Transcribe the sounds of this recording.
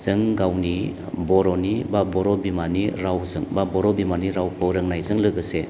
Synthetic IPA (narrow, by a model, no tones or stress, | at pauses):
z̥ɯŋɡawni | bɔɾɔnibabɔɾɔbimaniɾawzɯŋbabɔɾɔbimaniɾawkʰɯɾɯŋnajzɯŋlɯɡɯse